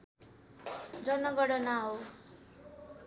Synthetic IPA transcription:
d͡zʌnʌɡʌɽʌnaɦow

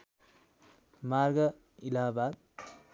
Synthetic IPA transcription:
maɾɡʌ | ilaːbaːd̪̚

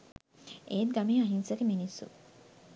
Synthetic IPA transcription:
ʔeːt̪̚ɡamiːaɦinsɐkeminisṵ

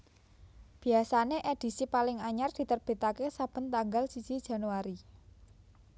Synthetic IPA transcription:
b̥i̤asaneʔed̪̥i̤sipalɪŋaɲard̪̥i̤t̪ərb̥e̤t̪akesab̥ə̤nt̪aŋɡalsid̥d͡ʒ̥i̤d̥ʒ̥a̤nuwaɾi

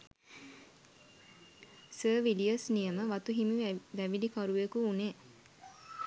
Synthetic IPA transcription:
səːʋiliəsnijəməʋat̪uɦimiʋæʋilikaɾuʋekuːne

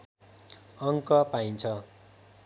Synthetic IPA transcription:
ʌŋkʌpaint͡sʰʌ

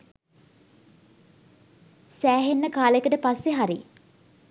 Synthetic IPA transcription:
sæːɦenːəkaːlekəʈəpasːeɦaɾi

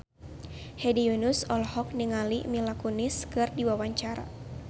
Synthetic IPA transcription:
hɛdiunusɔlhɔk̚niŋalimilakuniskɨrdiwawaɲt͡ʃaɾa̰

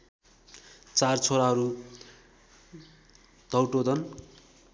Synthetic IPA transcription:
t͡sart͡sʰoɾaɦʌɾu | d̪ʱʌwʈod̪ʌn

